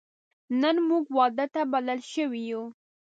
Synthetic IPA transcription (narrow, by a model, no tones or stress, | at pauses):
nənmuɡwɑd̪ət̪abaləlʃəwiju